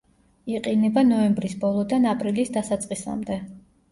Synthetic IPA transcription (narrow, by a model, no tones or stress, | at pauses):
iqʼinɛbanɔɛmbɾisbɔlˠɔd̪anapʼɾilisd̪asat̪sʼqʼisa̰md̪ɛ